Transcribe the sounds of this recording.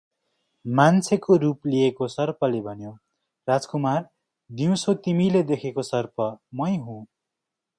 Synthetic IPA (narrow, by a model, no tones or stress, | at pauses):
mant͡sʰekoɾupliekosʌrpʌlebʱʌnjo | rad͡zkumar | d̪iw̃sot̪imiled̪ekʰekosʌrpʰʌmʌjɦũ